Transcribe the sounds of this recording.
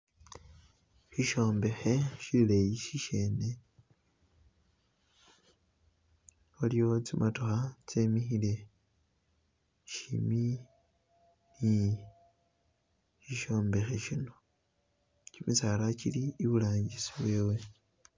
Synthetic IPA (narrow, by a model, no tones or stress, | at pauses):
ʃiʃo̞ːmbe̞xe̞ʃililejiʃiʃe̞ːne | oliot͡simʔatoxat͡se̞mixile̞ | ʃimi | ni | ʃiʃo̞ːmbe̞xe̞ʃino | t͡ʃimisalaciliːβulaːɲɟisiβwe̞ːwe̞